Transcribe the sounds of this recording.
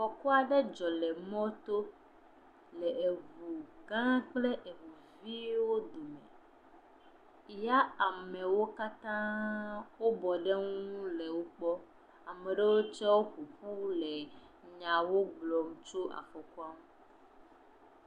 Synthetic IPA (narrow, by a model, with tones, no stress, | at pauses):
fɔ˨ku˦a˨ɖe˦d͡ʒɔ˨le˨mɔ̃˦t̪o˦ | le˨e˨vu˨ɡã˦k͡ple˦ʔe˨vu˨ | vi˦wo˦d̪u˨me˨ | ja˦a˨me˨wo˦ka˦t̪ã˦wo˦bɔ˨ɖe˦ŋũ˦le˨wo˦k͡pɔ˦ | a˨me˨ɖe˦wo˦t͡ʃɛ˦wo˦ɸu˨ɸu˦le˨ | ɲã˨wo˦ɡ͡blɔ˨m˦t͡ʃo˦a̰˨fo˨ku˦a˦mũ˦